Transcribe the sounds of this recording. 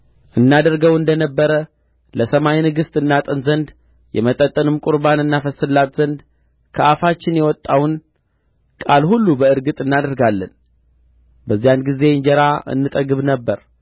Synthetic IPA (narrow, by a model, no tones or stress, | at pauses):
ʔɨnːad̪əɾɡəwɨnd̪ənəbːəɾə | ləsəmajnɨɡɨst̪ʼɨnːat̪ʼɨnzənd̪ | jɛ̰mət̪ʼət̪ʼːɨnɨmkʼʊɾbanɨnːafəsɨlːat̪zənd̪ | kʰəʔafat͡ʃːɪnjɛwɔt̪ʼːawn | kʼalhulːubəɨɾɡɨt̪ʼɨnːad̪əɾɡalːən | bəzːijanɡize̞ɨɲd͡ʒəɾaʔɨ̰nːɨt̪ʼəɡɨβnəbːəɾ